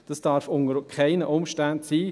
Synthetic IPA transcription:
d̥ɑsd̥ɑɾfʊŋəɾkʰaɪnəʔʊmʃtæntsiː

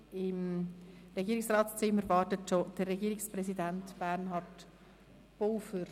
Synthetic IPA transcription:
ɪm | ɾɛɡiːɾɪksrɑːtst͡sɪmːəɾvɑːɾtətʃod̥ərːɛɡiːɾɪksprɛsidæntb̥æɾnɦɑːɾt | b̥olfəɾ

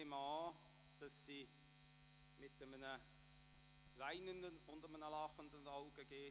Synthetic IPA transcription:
emɑː | d̥ɑsːi | mɪtəmənə | vaɪnəndənʊndəmənəlɑχəndənɑʊɡəɡ̥eː

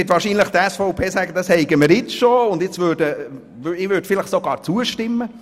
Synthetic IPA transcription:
ɪtʋɑːɾʃiːnləχt̪əɛsfɔʊpʰeːsæːɡəd̥̪ɑshɛɪɡəməɾjɪt͡sʃoʊndɪt͡svøːɾd̥ə | ɪʋøːd̥fɪləχsoɡɑ̰ːɾt͡suəʃtɪmːə

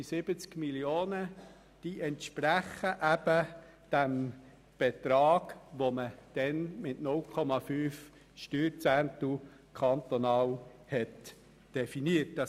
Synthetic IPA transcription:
sɪb̥ət͡skmiljoːnə | d̥iːʔɛntʃpɾæχəʔæbə | d̥æm | b̥ɛt̪ɾɑːɡ̥ʋoməd̥ɛnmɪtnʊlkʰɔmɑfyːf | ʃtyːɾt͡sænt̪u | kʰɑnt̪onɑːl | hɛt | d̥ɛfiniət̚dɑ

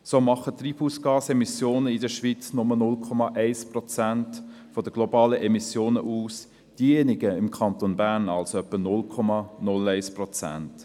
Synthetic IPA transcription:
soːmɑχət̪ːripuːsɡ̥ɑːsɛmisjoːnəɪdəʃʋit͡snʊmənʊlkʰɔmɑʔɛɪsprɔt͡sænt | fɔd̪əɡ̥lɔbɑːləʔɛmisjoːnəʔuːs | d̥iːenɪɡəɪmkʰɑnt̪onbærnɑlsoœpːənʊlkʰɔmɑnʊlɛɪsprɔt͡sæ̰nt

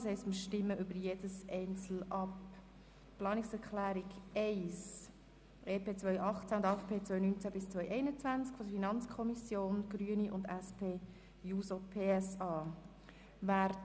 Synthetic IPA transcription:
shɛɪstməʃtɪmːəʔʏbəɾjed̥əsɛɪnt͡sl̩ɑp | plɑːnɪksɛɾkʰlæːɾiɡɛɪs | ʔeːpʰeːt͡svœʏʔɑχt͡sæʊnd̪fpʰeːt͡svœʏnynt͡sæbɪst͡sʋœʏʔɛɪnət͡sʋænt͡skfɔdəfinɑnt͡skʰɔmisjoːnɡ̥ɾyəniʔʊndɛspʰeː | juːsopʰeːɛsɑː | væːɾ

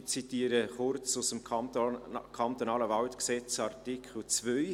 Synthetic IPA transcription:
t͡sit̪iːəɾəχʊrt͡sʊsəm | kʰɑnt̪onɑːləvɑlt̪ksɛt͡sɑrtikʰχl̩t͡svœʏ

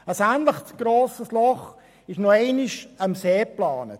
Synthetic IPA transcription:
əsæːntləχsɡ̥roːsəslɔχ | ɪʃnoeɪnɪʃɑmseːplɑːnə̰t

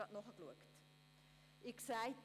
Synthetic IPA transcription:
ɑtnɔχəkluəkt | iksæj

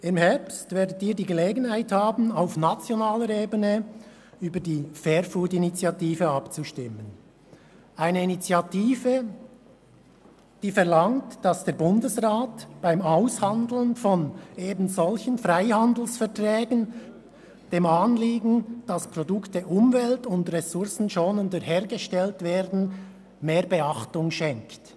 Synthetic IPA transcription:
ɪmhɛʁpstvɛːɐdətiːdiːɡəleːɡən̩haɪthaːbn̩aʊfnat͡sjonaːləɾeːbənə | yːbədiːfɛɾfuːtinit͡sjɑtiːfəɑpt͡suʃtɪmən | ʔaɪnəinit͡sjɑtiːvə | d̥iːfɛʁlɑŋtːɑsd̥eːɐɾbʊndəsʁaːtb̥aɪmaʊshɑndl̩nfɔneːbn̩zɔlçənfʁaɪhɑndl̩sfɛɐtʁɛːɡən | d̥eːmɑːnliːɡn̩d̥ɑspʁɔdʊktəʔʊmvɛltʊndʁɛsʊɾsn̩ʃoːnəndəheːɾɡəʃtɛltveːɾdn̩ | meːɾbəɑχtʊŋʃɛŋkt

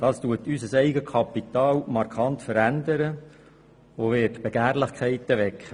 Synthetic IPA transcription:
d̥ɑːstuətysəsɛɪɡəkʰɑpit̪ɑːlmɑɾkʰɑnt̪fəɾænd̪əɾə | oʋɪːtb̥eɡ̥æːɾlɪχkʰɛɪt̪əʋɛkχə

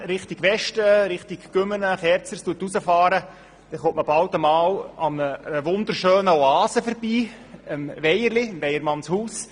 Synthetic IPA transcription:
ɾɪχt̪ɪɡʋɛʃtəɾɪχtikɡ̥ʏmənəχɛɾt͡sərstuətusəfɑːɾə | d̥ɛχʊmtːməbɑlt̪əmɑːlɑmnəʋʊnd̪əɾʃøːnəɔɑːsəfəɾb̥iː | əmʋɛjəɾlɪmʋɛjəɾmɑnshuːs

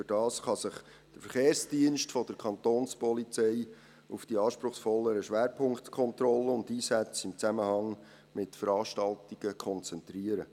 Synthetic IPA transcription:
fyɾd̥ɑːsχɑsɪχ | d̥əɾfəɾχeːrsd̥iənʃtfɔd̥̪əɾkʰɑnt̪oːnspɔlit͡sɛɪ | ufd̥iɑːʃpɾʊχsfɔlːəɾəʃʋæːɾpʰʊŋktkʰɔnt̪ɾɔlːəʊndiːsæt͡sɪmt͡sæməhɑŋ | mɪtfəɾɑːʃtɑltiɡ̥əkʰɔnt͡sɛntɾiəɾə

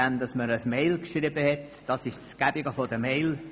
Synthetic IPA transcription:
ænd̥ɑsməɾəsmeɪlkʃribəhɛt | d̥ɑsɪʃsɡ̥æbɪɡəfɔdəmeɪl

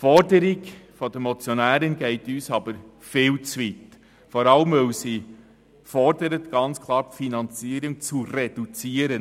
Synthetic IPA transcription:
fɔɾdəɾɪɡfɔd̥əmɔt͡sjɔnæːɾənɡɛɪtyːsɑb̥əɾ | fɪːlt͡sʋit | fɔɾɑləmœwsi | fɔɾdəɾətɡ̥ɑnt͡skʰlˠɑːɾfinɑnt͡siːɾʊŋt͡sured̥ut͡siːəɾən

